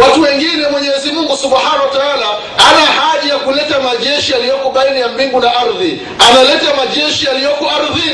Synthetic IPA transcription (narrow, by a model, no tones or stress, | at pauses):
watuwɛŋɡinɛmwɛɲɛːzimuŋɡusuɓhanawataala | anahaʄajakulɛtamaʄɛʃialijɔkɔɓainijambiŋɡunaʔaɾði | analɛtamaʄɛʃialijɔkɔaɾði